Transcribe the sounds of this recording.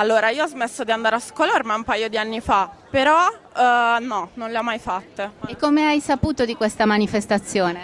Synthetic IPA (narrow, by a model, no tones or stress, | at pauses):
alːoːɾaiːoɔzmesːod̪iand̪aːɾeaskoloɾmaumpajod̪ianːifapeɾɔ | nɔnonleɔmːajfat̪ːeekːomeajsapuːt̪od̪ikwest̪amanifest̪at̪sːjoːne